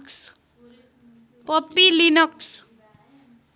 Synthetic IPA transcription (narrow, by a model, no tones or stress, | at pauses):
ks | pʌpːilinʌks